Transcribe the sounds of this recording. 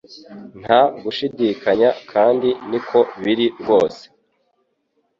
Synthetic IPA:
n̥haɡuʃidikaɲakʰaːndinikʰo̞βiɾiɾɡo̞ːse̥

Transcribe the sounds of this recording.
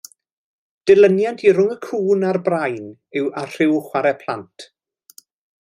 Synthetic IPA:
d̥ɪlˠənjantʰiɾʊŋəkʰuːnarbrajn | ɪwar̥ɪwχwaɾɛpʰlˠa̰ntʰ

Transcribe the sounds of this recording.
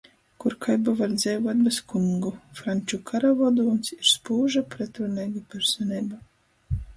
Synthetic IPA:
kuɾkʰajbavaɾd̪zʲɛjvuɔt̪̚bɛskuŋɡufɾanʲt͡ʃukʰaɾavɔd̪uːnsiɾspuːʒapɾɛt̪ɾɔnɛjɡapʲɛɾsɔnɛjba

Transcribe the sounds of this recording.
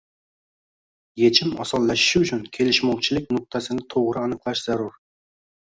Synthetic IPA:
jet͡ʃʰɪmɑ̰sɑlˠːæʃɪ̥ʃʊt͡ʃʰunkʲʰelɪʃmɑwt͡ʃʰilɪk̚ʲnʊq̚t̪ʰæsɪnɪt̪ʰoʁɾɨɑnɨqlˠɑʃz̥æɾuɾ

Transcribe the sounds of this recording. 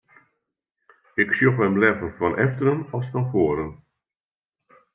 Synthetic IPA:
ɪksjoχəmlɛvənfɔnʔɛftəɾənɔlˠsfɔnfoːəɾən

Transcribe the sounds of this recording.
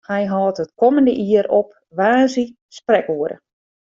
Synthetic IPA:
hɛjɦɔːtɦət̚kɔməndəʔiəɾɔp̚ | ʋaːzi | sprɛkoəɾə̰

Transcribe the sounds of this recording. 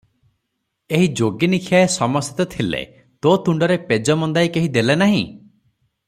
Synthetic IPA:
eɦid͡ʒoɡinikʰjaesɔmɔsɔt̪ɔt̪ʰilḛ | t̪ot̪uɳɖɔɾeped͡ʒɔmɔnd̪ajkeɦid̪elenaɦḭ̃

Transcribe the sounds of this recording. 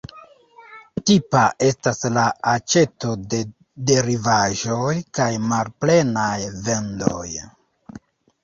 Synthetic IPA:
tipaʔe̞staslaat͡ʃe̞to̞de̞ | de̞ɾivaʒo̞jkajmalple̞najve̞ndo̞̰j

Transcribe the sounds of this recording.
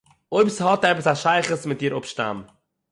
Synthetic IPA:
oʏpshɑtɛpəsaʃaɪχəsmɪt̚d̥iːɾʊpʃta̰m

